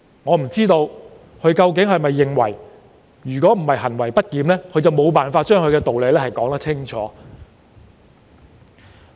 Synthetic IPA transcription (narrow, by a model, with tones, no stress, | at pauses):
ŋɔː˨˧m̩˨˩t͡siː˥t̪o˧w | kʰɵ˨˧ɥkɐ˧wk̬ɪ˨˥ŋɦɐ˨jmɐ˨jːɪ˨˩ŋwɐ̰˨˩j | jyː˨˩kɔː˨˥m̩˨˩hɐ˨jɦɐ˨˩nwɐ˨˩jpɐ˥t̚kiː˨˧mlɛː˥kʰɵ˧ɥt͡sɐ˨wmo˨˧wpaː˨nfaː˧t̚t͡ʃœː˥ŋʰɵ˨˧ɥkɛː˧t̪o˨wle˨˧jlɛː˥hɐ˨jkɔː˨˥ŋt̪ɐ˥t͡sʰɪ˥ŋt͡ʃʰɔ̰ː˨˧˦